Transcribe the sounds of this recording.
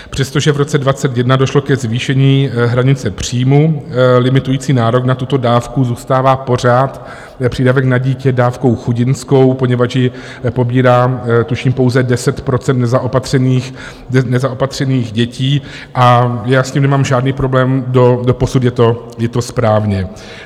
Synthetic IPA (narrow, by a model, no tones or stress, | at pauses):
pr̥ɛst̪o̞ʒɛvɾo̞t͡sɛdvat͡sɛt̪jɛdnado̞ʃlo̞kɛzviːʃɛɲiːɦɾaɲɪt͡sɛpr̝̥iːmulɪmɪt̪ujiːt͡siːnaːɾo̞knat̪ut̪o̞daːfkuzuːst̪aːvaːpo̞r̝aːt̪ | pr̝̥iːdavɛknaɟiːcɛdaːfko̞wxuɟɪnsko̞wpo̞ɲɛvat͡ʃjɪ | po̞biːɾaːt̪uʃiːmpo̞wzɛdɛsɛt̪pɾo̞t͡sɛnt̪nɛzaʔopat̪r̥ɛniːx | nɛzaopat̪r̝̥ɛniːɣɟɛciː | ʔajaːsciːmnɛmaːmʒaːdniːpɾoblɛːmdodo̞po̞sut̪jɛt̪o̞ | jɛt̪o̞spɾaːvɲɛ